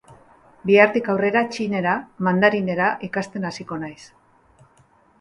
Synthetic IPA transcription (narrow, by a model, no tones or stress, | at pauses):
biaɾt̪ikawre̞ɾat͡ʃine̞ɾamand̪aɾine̞ɾaʔikast̪e̞nasiko̞najs